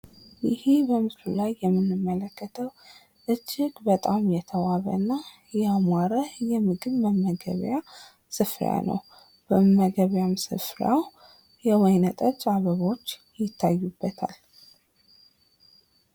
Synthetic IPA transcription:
jɪhebəmɨslulajːɛmːɨnːɨmːələkːət̪ʰəw | ʔɨd͡ʒːɪɡbət̪ʼamjɛt̪ʰəwaβə̰ɨnːa | jɛamʷaɾəhjɛmɨɡɨβməmːəɡə̰βja | sɨfɾ̰ja̰nə̰w | b̥əmːəɡəβjamsɨ̰fɾaw | jɛwɔjnət̪ʼət͡ʃʼaβəβo̞t͡ʃː | jɪt̪ʰːajːubːət̪ʰa̰l

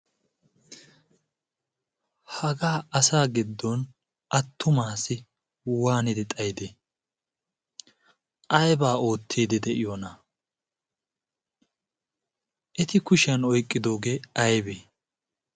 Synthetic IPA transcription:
hɐɡaːɐsaːɡɪd̪ːɔn | ʔɐt̪ʰːʊmaːsɪ | waːnɪd̪ɛt̪ʼɐjd̪ɛ | ʔɐjbaːo̞ːt̪ʰːiːd̪ɛd̪ɛʔɪjonɐ | ʔɛt̪ɪkʊʃɐnɔjkʼːɪd̪o̞ːɡeːɐjbeː

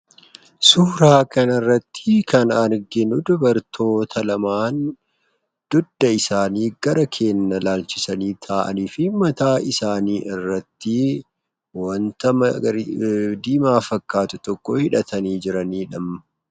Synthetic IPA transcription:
suːɾaːkɐnɐrːɐt̪ːɪkɐnɐɾɡɪnʊd̪ʊbɐɾt̪ʰo̞ːt̪ʰɐlɐmaːn | d̪̥ʊd̪ːɐɪsaːniːɡ̥ɐɾɐkʰe̞ːnːɐlaːlt͡ʃɪsɐniːt̪ʰaːʔɐ̰niːfɪmɐt̪aːɪsaːniːʔɪrːɐt̪ːɪ | wɐnt̪ɐmɐ | d̪iːmaːfɐkːaːt̪ʊt̪ɔkːɔhɪᶑɐt̪ɐniːd͡ʒɪɾɐniːᶑɐmɐ

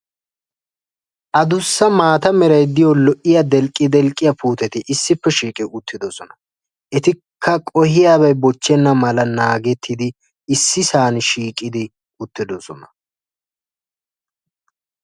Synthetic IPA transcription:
ʔɐd̪ʊsːɐmaːt̪ɐmɛɾɐjd̪ɪjɔlɔʔɪjɐd̪ɛlkʼːɪd̪ɛlkʼːɪjɐpuːt̪ɛt̪ɪʔɪsːɪpːɛʃiːkʼɪʊt̪ʰːɪd̪ɔsɔnɐ | ʔɛt̪ɪkʰːɐkʼɔhɪjaːbɐjbɔt͡ʃːɛnːɐmɐlɐnaːɡɛt̪ʰːɪd̪ɪ | ɪsːɪsaːnʃiːkʼɪd̪ɪ | ʊt̪ːɪd̪ɔsɔnɐ

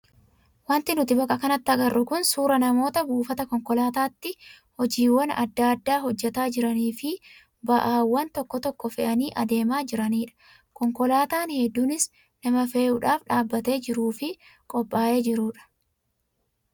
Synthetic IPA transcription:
wɐnt̪ɪnʊt̪ɪbɐkʼɐkɐnɐt̪ːɐɡɐrːʊkʊnsuːɾɐnɐmo̞ːt̪ɐbuːfɐt̪ɐkɔŋkɔlaːt̪aːt̪ːɪ | hɔd͡ʒiːwːɐnɐ̰d̪ːaɐd̪ːaːɦɔd͡ʒːɛt̪aːd͡ʒɪɾɐniːfɪ | bɐʔaːwːɐnt̪ɔkːɔt̪ɔkːɔfɛʔɐniːʔɐd̪e̞ːmaːd͡ʒɪɾɐniːᶑɐ̥ | kɔŋkɔlaːt̪aːnhɛd̪ːuːnɪs | nɐmɐfe̞ːʔʊᶑaːfᶑaːbːɐt̪e̞ːd͡ʒɪɾuːfɪkʼɔpʼːaːʔe̞ːd͡ʒɪɾuːᶑɐ̥

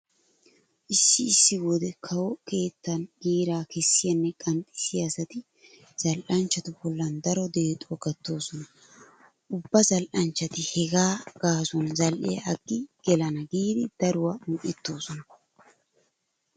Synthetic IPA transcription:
ʔɪʃːɪɪsːɪɡod̪ɛkʰɐwɔkʰe̞ːt̪ːɐnɡ̥iːɾaːkɛsːɪjɐnːɛkʼɐnt̪ʼɪsɪjɐsɐt̪ɪ | z̥ɐlʔɐnt͡ʃːɐt̪ʊbɔlːɐnd̪ɐɾɔd̪e̞ːt̪ʼɔɡɐt̪ːo̞ːsɔnɐ | ʔʊbːɐzɐlʔɐnt͡ʃːɐt̪ɪhɛɡaːɡ̥aːsɔnzɐlʔɛ̰jɐːɡːɪɡ̥ɛlɐnɐɡiːd̪ɪd̪̥ɐɾʊwamʊʔɪt̪ːo̞ːsɔnɐ

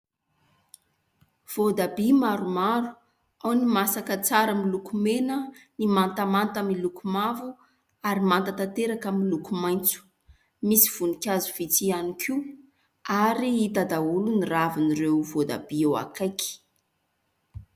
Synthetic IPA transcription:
v̥od̪abimaɾumaɾu̥ | awnimasakət͡saɾəmilukumenənimant̪amant̪amilukumavu | aɾimant̪ət̪at̪eɾakamilukumajnt͡su̥ | misi̥v̥unikʲazuvit͡sianikʰi | aɾiit̪ad̪auluniraviniɾewvod̪a̰biewa̰kajki̥

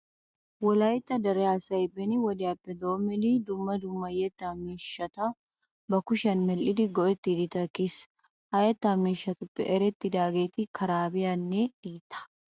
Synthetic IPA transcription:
wɐlaːjɪt̪ːɐd̪ɐɾɛaːsɐɪbɛniwɐd̪ɪɐpːɛd̪oːmːɪlid̪ʊmːɐd̪ʊmːɐjɛt̪ːamiʃɐt̪ɐ | bɐkʊʃɐnmɛlʔɪd̪ɪɡɔʔɛt̪ːɪd̪ɪt̪ɐkɪs | hɐjɐt̪ːamːiːʃɐt̪ʊpːɛʔɛɾɛt̪ːɪd̪aːɡeːt̪ɪkʰɐɾaːbɪjɐnːeiːt̪ɐ̥

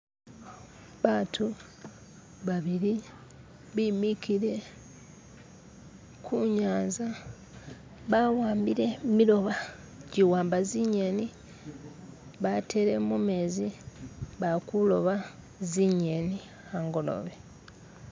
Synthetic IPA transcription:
βaːtʰu | βaβiɾi | βimikiɾe̞ | kʰuɲaːnza | βawaːmbiɾe̞milo̞βa | ɟiwaːmbaziɲeni | βatʰe̞ɾe̞mume̞zi | βakulo̞βa | ziɲeni | aŋɡo̞lo̰βe

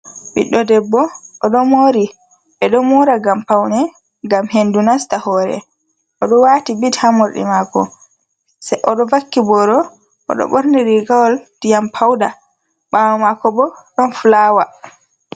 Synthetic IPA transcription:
bḭɗːɔdɛbːɔʔɔɗɔmoɾi | ɓɛɗɔmɔɾaɡampawnɛ | ŋɡamhendunastahɔːɾɛ̰ | ʔɔɗɔwatibithamoɾɗḭmakɔ | sajʔɔɗɔvakːibɔɾɔ | ʔɔ̰ɗɔ̰ɓɔɾniɾiɡawɔld̥ijampʰawda | ɓawmakɔbɔɗɔnfulaːwa

